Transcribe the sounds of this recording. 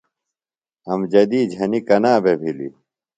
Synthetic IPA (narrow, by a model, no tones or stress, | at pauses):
ɐmd͡ʑɐd̪iːd͡ʑʱɐnikɐnaːbʱebʱilḭ